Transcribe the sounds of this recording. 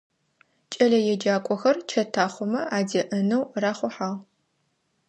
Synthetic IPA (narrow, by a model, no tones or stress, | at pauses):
t͡ʃʼɐɮɐjɛd͡ʒaːkʷʼɔxɐrt͡ʃʰɐtʰaːχʷɔmɐaːdɐʔɐnɐwraːχʷʊħaːʁ